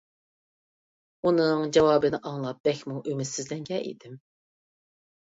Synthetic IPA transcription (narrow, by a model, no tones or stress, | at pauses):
unɨŋd͡ʒɑwɑːbɨnɪʔɑŋlˠɑp̚b̥̪ɛkʲmuʔymɪt̪sɪzlɛŋɡʲɛʔḭd̪ɪm